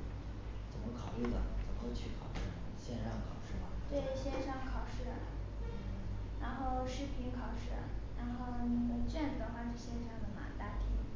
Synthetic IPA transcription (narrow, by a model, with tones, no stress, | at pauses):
t͡sə˨˩nmə˦˥kʰɑ˨˩ʊly˥˩d̪ə̰˩t͡sə˨˩mə˦kʰwt͡ɕʰy˥˩kʰɑ˨˩ʊʂɻ̩˥˩ | ɕjɛ˥˧nʂɑ˥˩ŋkʰɑ˨˩ʊʂɻ̩˥˩mɐ˩t̪we˥˩ɪɕjɛ˥˧nʂɑ˥˩ŋkʰɑ˨˩ʊʂɻ̩˥˩ | ɻa˧˥nxo˥˧ʊʂɻ̩˥˩pʰi˧˥ŋkʰɑ˨˩ʊʂɻ̩̰˥˩ɻa˧˥nxo˥˩ʊni˧˥nə˨˧˩t͡ɕɛ˥˩n˩d̪ə˧˥xwa˥˧ʈ͡ʂɤ˥˧˩ɕjɛ˥˧nʂɑ˥˩ŋd̪ə˨˩ma̰˧t̪a˥˩t̪ʰḭ˧˥ŋ